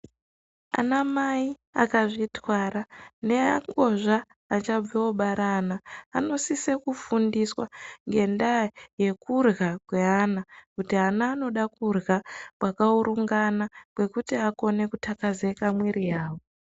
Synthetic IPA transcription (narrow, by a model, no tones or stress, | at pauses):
a̰namai | a̰kaʐitwaːrane̞a̰ŋɡo̞ʐaː | t͡ʃab͡vewoɓaɾanaːno̞sisekufundiswaŋɡe̞ndaaje̞kurɣakwe̞aːnakutiɦanaːno̞ɗakurɣakwakauɾuŋɡanakwe̞kutiako̞ne̞kutʰakazekamwirijaːwo